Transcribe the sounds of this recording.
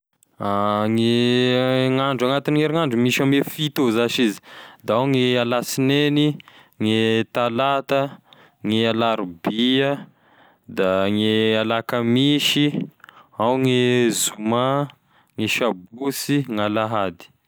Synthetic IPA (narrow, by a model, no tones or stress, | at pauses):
aŋe | ŋaɳɖ͡ʐaŋat̪iniŋeɾiŋaɳɖ͡ʐumiʃamefit̪ozaʃizi̥d̪aawŋialasineni | ŋet̪alat̪ə | ŋealaɾbiə | d̪aŋealakəmiʃi | awŋezuma | ŋeʃabusiŋalaɦad̪i̥